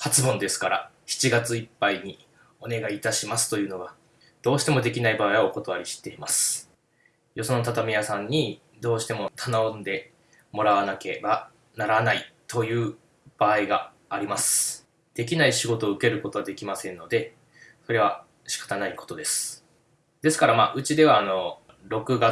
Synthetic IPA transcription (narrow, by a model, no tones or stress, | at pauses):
hat͡sɨbõ̞nd̪e̞sɨ̥kaɾa̰ | çi̥t͡ɕiɡat͡sɨipːaiɲ̟i | o̞ne̞ɡaiːt̪aɕimasɨ̥t̪o̞jɯ̟ːno̞ɡa | d̪̥o̞ːɕi̥t̪e̞mo̞d̪e̞kʲinaibaːiβaoko̞t̪o̞βaɾʲiɕi̥t̪e̞imasɨ̥ | jo̞sonot̪at̪amʲijasãɲ̟ːi | d̪o̞ːɕi̥t̪e̞mo̞t̪ʰanaõnd̪e̞ | mo̞ɾaβanake̞̰ba | naɾanait̪o̞jɯ̟ː | b̥aːiɡaː | ɾʲimasɨ̥ | d̪̥e̞kʲinaiɕiɡo̞t̪o̞ːɯ̟ke̞ɾɯ̟ko̞t̪o̞βad̪e̞kʲimasẽ̞nːo̞d̪e̞ | so̞ɾe̞β̞a | ɕi̥kḁt̪anaiko̞̥t̪o̞d̪e̞sɨ̥ | d̪̥e̞sɨ̥kaɾamaːʔɯ̟t͡ɕid̪e̞β̞aːno̞ | ɾo̞kɯ̟ɡa